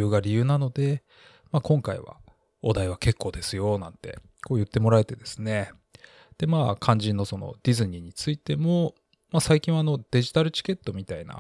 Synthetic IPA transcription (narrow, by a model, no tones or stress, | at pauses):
ɯ̟ːɡaɾʲijɯ̟ːnano̞d̪e̞ | maːkõ̞ŋkaḭβa̰ | od̪aiβ̞ake̞kːo̞ːd̪e̞sɨjo̞nãnt̪e̞̰ | ko̞ːjɯ̟t̪ːe̞mo̞ɾae̞t̪e̞d̪e̞sɨ̥ne̞ | d̪̥e̞maːkʰãɲ̟d͡ʑĩnːo̞so̞no̞̰d̪ʲizɨɲ̟iɲ̟it͡sɨit̪e̞mo̞ | masaikʲĩɰ̃ano̞d̪̥e̞ʑi̥t̪aɾɯ̟t͡ɕi̥ke̞t̪ːo̞mʲit̪aina̰